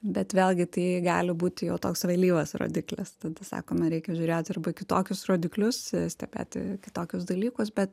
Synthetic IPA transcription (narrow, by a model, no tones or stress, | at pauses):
bʲɛt̪ʋʲeːlʲˠɡʲɪt̪ɐɪɡɑ̰ːlʲɪbuːt̪ʲɪjɛʊt̪oːksʋɐɪlʲiːʋɐsro̰ːd̪ʲɪklʲɪ̰st̪ɐd̪ɐsɑ̰ːkoːmɐɾʲɛɪkʲɛʒʲuːɾʲeːt̪ʲɐrbɐkʲɪt̪oːkʲʊsroːd̪ʲɪklʲʊssʲt̪ʲɛbʲḛːt̪ʲɪ̰kʲɪ̥t̪oːkʲʊs̬d̪ɐlʲiːkʊsbʲɛt̪